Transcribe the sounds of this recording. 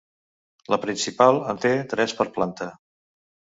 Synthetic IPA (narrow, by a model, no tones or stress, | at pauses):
ləpɾinsipalˠənt̪et̪ɾɛspəɾplant̪ə